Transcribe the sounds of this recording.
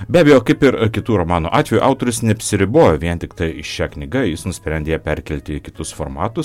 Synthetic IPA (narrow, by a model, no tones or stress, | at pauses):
bʲæːbʲɛjoːkɐɪpɪɾkʲɪt̪uːɾomɑːnuːʔɑːt̪ʋʲɛjuːʔɑʊt̪oːɾʲʊsnʲɛɐpʲsʲɪɾʲɪboːjoːʋʲiɛnʲt̪ʲɪkt̪ɐɪɪʃʃʲæːknʲɪɡɐjɪsnʊsʲpʲɾʲɛnd̪ʲeːjɛpʲɛɾʲkʲɛlʲt̪ʲɪkʲɪt̪ʊsfoːɾmɑːt̪ʊs